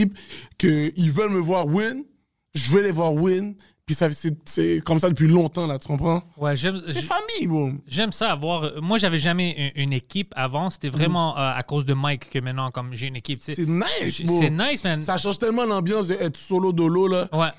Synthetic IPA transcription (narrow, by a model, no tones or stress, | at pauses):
ip̚kəilvœlməvwaʁwin | ʒəvɛlevwaʁwin | pisasɛsɛkɔmsad̪əpɥilɔ̃t̪ɑ̃lat̪y̥kɔ̃pχɑ̃wɛʒɛmɛfamijboʒɛmsaːvwaʁmwaʒavɛʒamɛyʔynekʲipavɑ̃se̥t̪ɛvʁɛmɑ̃ʔøa̰kozd̪əmajkːəmɛ̃t̪nɑ̃kɔmʒeynekʲipsesɛnajsbosnajsmɛsaʃɑ̃ʒt̪ɛlmɑ̃lɑ̃bjɑ̃s̬d̪əɛt̪solod̪ololawɛ